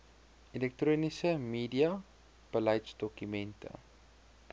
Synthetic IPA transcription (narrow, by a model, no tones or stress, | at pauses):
elɛk̚troːnisəmiːdiɐ | b̥əlɐjsdɔkymɛntə̰